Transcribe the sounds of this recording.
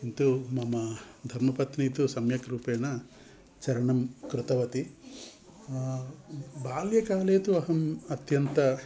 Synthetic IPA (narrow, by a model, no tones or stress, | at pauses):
int̪umɐmɐd̪ʱɐɾmɐpɐt̪niːt̪usɐmjɐkɾuːpeːɳɐ | t͡ʃɐɾɐɳɐmkɾut̪ɐʋɐt̪i | baːljɐkaːleːt̪uɐɦɐmɐt̪jɐnt̪ɐ